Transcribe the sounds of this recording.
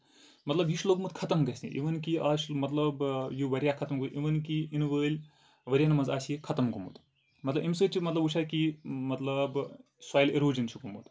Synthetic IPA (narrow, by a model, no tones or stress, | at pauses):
mɐt̪lɐbɦit͡ʃʰloɡmut̪kʰɐt̪ɐmɡɐsʲḭʔḭʋɐnkiaːʃmɐt̪lɐbjuʋɐɾʲjakʰɐt̪ɐmɡuʔiʋɐnkiʔinʋəːlʲ | ʋɐɾʲjaːnɐmɐnzaːsjikʰɐt̪ɐmɡumṵt̪ | mɐt̪lɐbimsəːt͡ʃʰimɐt̪lɐbut͡ʃʰaːjkimɐt̪lɐb | swaːjleɾoːd͡ʒɐnt͡ʃʰukumṵt̪